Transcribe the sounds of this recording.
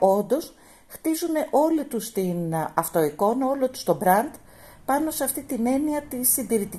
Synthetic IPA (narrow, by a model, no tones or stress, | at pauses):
o̞nd̪o̞s | xt̪izune̞ʔo̞lit̪ust̪inɐft̪o̞iko̞nɐo̞lo̞t̪u̥st̪o̞bɾɐnd̪ | pɐno̞seɐft̪it̪ine̞niɐt̪isːind̪iɾit̪i